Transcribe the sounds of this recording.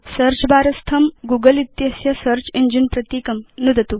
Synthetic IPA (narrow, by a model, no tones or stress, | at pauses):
sɐɾt͡ʃbaːɾɐst̪ʰɐmɡuːɡəlit̪jɐsjɐsɐɾt͡ʃind͡ʒinpɾɐt̪iːkɐmnud̪ʱɐt̪u